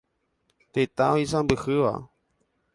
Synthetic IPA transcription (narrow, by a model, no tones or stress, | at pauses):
t̪et̪aoisãmbɨhɨʋa̰